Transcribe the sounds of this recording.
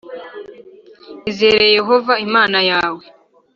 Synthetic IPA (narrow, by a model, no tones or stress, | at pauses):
izeːɾejeje̞ɦo̞vaimaːnajaːwe̞